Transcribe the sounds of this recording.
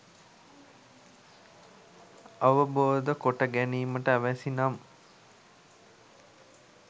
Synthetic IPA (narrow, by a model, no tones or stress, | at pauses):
aʋəboːd̪əkoʈəɡæniːməʈəæʋæsinam